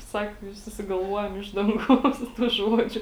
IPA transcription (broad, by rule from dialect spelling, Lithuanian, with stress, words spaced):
ˈsɑːkoː ɪ sʊsʲɪɡɐlˠˈʋuɔjɛm ˈɪʃ dɐŋˌɡɐʊs tuː ˈʒuɔd͡ʒʲʊ